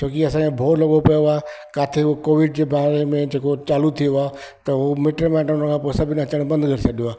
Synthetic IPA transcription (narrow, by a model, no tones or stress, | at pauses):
t͡ɕʰõːkiɐsãkʰẽbʱoːlɐɠopɐjoaːɦe | kaːt̪ʰeokoːʋɪɖ̚d͡ʑeːbaːɾemẽd͡ʑeːkot͡ɕaːlut̪ʰijoaː | t̪ɐʊomeːʈɾemɛ̃ːʈʊnənkʰãːpoːesɐbʱɪnɐt͡ɕəɽ̃bɐ̃nd̪ɡʱɐɾɪsʰɐɗijoaː